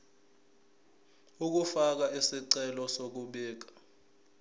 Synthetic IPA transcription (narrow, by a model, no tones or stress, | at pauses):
uk̬ufak̬aisiǀɛlɔsok̬uɓɛːk̬ḁ